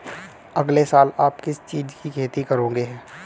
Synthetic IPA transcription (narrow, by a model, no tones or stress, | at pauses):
ɐɡlesaːlaːpkɪst͡ʃiːd͡ʒkikʰeːt̪ikɐɾõːŋɡeɦɛː